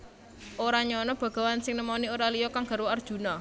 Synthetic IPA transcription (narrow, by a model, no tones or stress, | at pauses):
ʔoɾaɲɔnɔb̥ä̤ɡ̥a̤wansɪŋnəmanioɾalijɔkaŋɡ̥a̤ɾwɔard̥ʒ̥ṳna